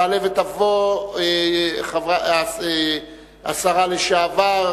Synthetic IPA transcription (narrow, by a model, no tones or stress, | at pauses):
alevet̪avoeχavae | a̰saʁaleʃaːvaʁ